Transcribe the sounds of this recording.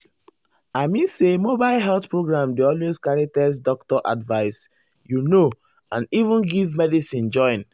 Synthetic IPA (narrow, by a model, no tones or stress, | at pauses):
aɪmĩnsemobaɪlɦɛlθpɹoɡɹãmdeɔlweskaɹitɛs̬dɔktɔʔa̰dvaɪs | juno | ãnivũnɡivmɛdisĩnd͡ʒɔ̃ɪ̃n